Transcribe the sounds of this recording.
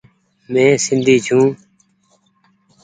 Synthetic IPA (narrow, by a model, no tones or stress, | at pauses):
mẽːsɪnd̪ʱiːt͡ʃʰũː